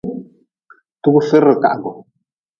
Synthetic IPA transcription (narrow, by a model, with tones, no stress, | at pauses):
tu˦ɡu˦fi˦ɾə˨ka̰˨ʔɡɔ˨